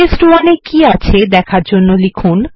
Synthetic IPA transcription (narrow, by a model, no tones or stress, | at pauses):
esʈuwanekiat͡ɕʰed̪ɛkʰaɾd͡ʑonːolikʰun